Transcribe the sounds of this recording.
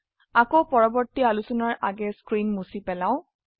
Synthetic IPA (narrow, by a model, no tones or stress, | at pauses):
akopɔɹɔbɔɹtialusɔnaɹʔaɡɛskɹinmusipɛlaʊ̃